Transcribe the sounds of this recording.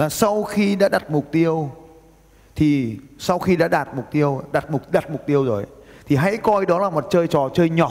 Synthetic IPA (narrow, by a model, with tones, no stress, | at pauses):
aː˨˩sa˧wxi˧ɗa̰ː˧˥ɗa˨˩t̚mʊ˨˩k͡p̚t̪i˧əw | t̪ʰi˨˩sa˧wxi˧ɗa̰ː˧˥ɗaː˨˩t̚mʊ˨˩k͡p̚t̪i˧əwɗa˨˩t̚mʊ˨˩k̚ɗaː˨˩t̚mʊ˨˩k͡p̚t̪i˧əwzo˨˩jt̪ʰi˨˩ɦa̰˧˥jkɔ˧jɗɔ˨˦laː˨˩mo˨˩t̚t͡ɕəː˧jt͡ɕɔ˨˩t͡ɕəː˧jɲɔ˨˩